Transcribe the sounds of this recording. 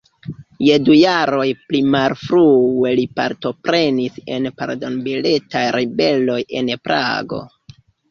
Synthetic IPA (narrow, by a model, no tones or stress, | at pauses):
je̞dujaɾo̞jplimalfɾue̞lipa̰ɾto̞pɾe̞nise̞̰npaɾdo̞nbile̞tajɾibe̞lo̞je̞npɾʔa̰ɡo̞̰